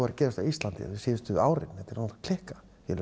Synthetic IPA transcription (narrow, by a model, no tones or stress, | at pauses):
vaɾcɛːɾast̪awist̪lant̪ɪ̰vɪsɪːðʏst̪ʏaːwɾɪ̰nnɛt̪ɪɾk̪ʰl̥ɪhkḁ | jɛl